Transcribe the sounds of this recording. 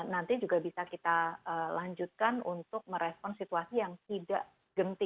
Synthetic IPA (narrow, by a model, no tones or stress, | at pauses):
nant̪id͡ʒuɡabisakit̪aəlaɲd͡ʒut̪̚kanunt̪ʊk̚məɾɛspɔnsit̪uasijaŋt̪idaʔ | ɡ̥ənt̪ɪ